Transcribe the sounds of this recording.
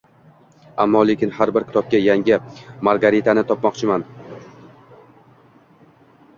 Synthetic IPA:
amːɒle̞kʲɪnhaɾbɪɾkʲɪ̥t̪ʰɒp̚kʲajaŋʲɪmaɾɡaɾit̪ʰanɪt̪ʰɒpmɒqt͡ʃʰɪman

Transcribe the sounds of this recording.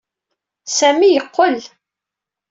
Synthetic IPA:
sæmijəqːəl

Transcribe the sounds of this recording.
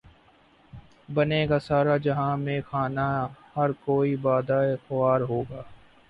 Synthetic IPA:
bɐnekasaːɾad͡ʒɐɦãmẽxaːnahɐɾkoːibaːd̪aːexʊaːɾɦoːɡaː

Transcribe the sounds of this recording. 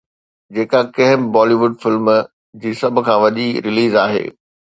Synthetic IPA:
d͡ʑeːkakɐɦɪmbɔːliʋʊɖfɪlm | d͡ʑiːsɐbʱʊ̆kʰãːʋɐʄiɾɪliːzaːɦḛː

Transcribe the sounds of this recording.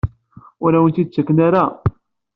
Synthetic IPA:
ʊɾæwənt̪id̪̚t͡sːækːnaɾa

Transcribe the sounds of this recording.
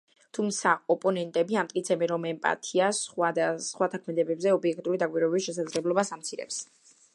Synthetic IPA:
t̪ʰumt̪sʰaɔpʼɔnɛnt̪ʼɛbiamt̪ʼkʼit̪sʰɛbɛnɾɔmɛmpʼa̰t̪ʰiasad̪asχwat̪ʰakʰmɛd̪ɛbɛbzɛɔbiɛk̚ʰt̪ʼuɾid̪akʼwiɾwɛɛbisʃɛs̬ad̪zlɛblˠɔbasamt̪sʰiɾɛ̰ps

